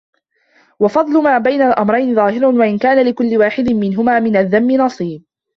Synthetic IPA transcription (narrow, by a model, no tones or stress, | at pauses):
wɑfɑd̪ˤlʊmaːbajnalʔamɾˤɑjnɪðˤɑːhɪɾʊnwaʔɪnkaːnalɪkʊlːɪwaːħɪd̪ɪnmɪnɦʊmaːmɪnaðːamːɪnɑsˤiːb̚